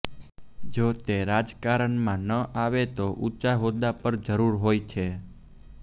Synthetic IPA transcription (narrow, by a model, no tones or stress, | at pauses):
d͡ʒot̪eɾad͡ʒkaɾəɳmãnəʔaʋet̪oʔut͡ʃaɦod̪apəɾd͡ʒəɾuɾɦojt͡ʃʰe